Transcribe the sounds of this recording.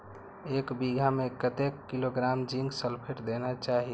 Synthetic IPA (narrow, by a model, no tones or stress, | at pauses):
ekbiɡʱamekət̪ekːiloɡɾamd͡ʒĩŋɡsəlpʰeʈd̪enat͡ʃaɦi